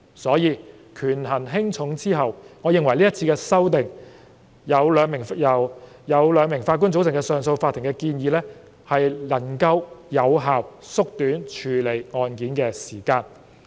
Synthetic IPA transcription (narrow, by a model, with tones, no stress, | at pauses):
sɔː˨˥jiː˧ | kʰyː˨˩nɦɐ˨˩nɦɪ˥ŋt͡sʰʊ˨˥ŋt͡siː˥ɦɐ˨wŋɔː˨˧jɪ˨ŋwɐ˨˩jliː˥jɐ˥t̚t͡sʰi˧kɛː˧sɐ˥wt̪ɪ˨˩ŋ | jɐ˨˧wlœː˨˧ŋmɪ˨˩ŋjɐ˨˩w | jɐ˨˧wlœː˨˧ŋmɪ˨˩ŋfaː˧t̚ku˥nt͡so˨˥wt͡sɪ˨˩ŋkɛ˧sœː˨˧ŋso˧wfaː˧t̪ʰːɪ˨˩ŋkɛ˧kiː˧njiː˨˧lɛː˥ | hɐ˨jlɐ˨˩ŋkɐ˧wjɐ˨˧wɦaː˨wsʊ˥k̚t̪yː˨˥nt͡ʃʰyː˨˩le˨˩jŋɔː˧nkiː˨˥nkɛː˧siː˨˩kaː˧n